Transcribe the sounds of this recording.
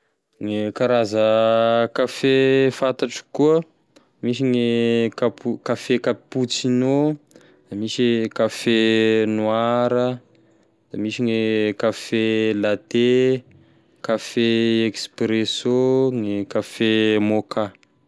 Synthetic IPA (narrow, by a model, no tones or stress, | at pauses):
ŋekaɾazəkafefant̪aʈ͡ʂə̥kuə | miʃ̬iŋekapukafekaput͡sino | d̪̥amisikafenuaɾə | d̪̥amiʃiŋekafelat̪e | kafeekspɾesoŋekafemoka